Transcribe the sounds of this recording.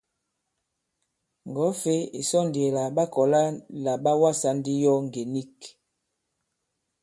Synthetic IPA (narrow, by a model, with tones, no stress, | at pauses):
ŋ˨ɡɔ˨˦fe˦i˨sɔ˦˨nde˨la˨ɓa˦kɔ˨la˦la˨ɓa˦wa˦˨sa˦n˦di˦jɔ˦ŋ˨ɡe˨ni˦˨k